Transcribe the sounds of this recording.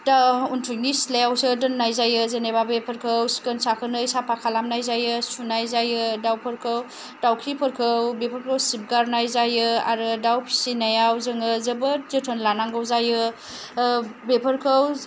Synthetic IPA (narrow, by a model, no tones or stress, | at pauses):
dauntʰujknislejawsɯdɯnːajzajɯzenebabepʰəɾkʰəwsi̥kənsakʰənɯjsapʰakʰalamnajzajɯsunajzajɯdawpʰəɾkʰəw | d̥awkʰipʰəɾkʰɯwbepʰəɾkʰəwsip̚ɡaɾnajzajɯa̰ɾɯdawpʰi̥sinajawzɯŋɯzəbəzətʰənlanaŋɡəwzajɯ | bepʰəɾkʰəw